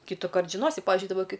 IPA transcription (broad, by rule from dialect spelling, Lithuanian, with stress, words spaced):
kʲiːtʊˈkɐrt ʒʲɪˈnoːsʲɪ ˈpɑːʋʲɪʒʲʊɪ dɐˈbɐ ˈkɐɪ